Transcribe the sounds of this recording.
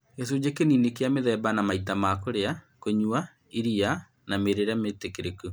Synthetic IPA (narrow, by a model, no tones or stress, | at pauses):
ɡɛs̬od͡ʑekeninekeameðɛbanamaitamakoɾea | koɲua | iɾia | nameɾeɾeametekeɾeku